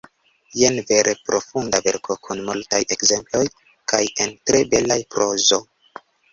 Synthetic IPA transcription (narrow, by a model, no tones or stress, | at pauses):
je̞nve̞ɾʔe̞pɾo̞fundave̞ɾkʰo̞kʰunmultaje̞kze̞mplo̞j | kaje̞ntɾe̞be̞lajpɾo̞zo̞